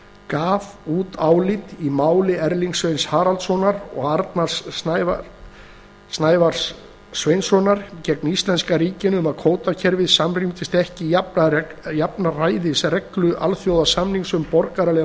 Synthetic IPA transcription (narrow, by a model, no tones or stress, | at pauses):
kaːvuːt̪aːwlit̪imaːwlɪɛɾliŋksvejnshaːɾalt̪sɔnaɾɔ̰ɣaɾt̪nasnjv | snaːjvaɾ̥sː | vejnsɔnaɾ̥cɛknist̪lɛnskaɾiːcɪnʏmaðkʰoːwt̪acʰɛɾvɪðsamrimt̪ɪst̪ɛhcɪaajapnaraːjðɪsrɛklʏʔa̰lθjowðasamniŋsʏmpɔɾkaɾalɛ